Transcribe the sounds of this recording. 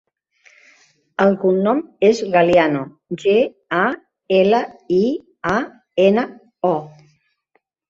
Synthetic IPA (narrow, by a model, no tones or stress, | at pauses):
əlkunːɔmezɣaliano | ʒe | a | eləi | a | enə | ɔ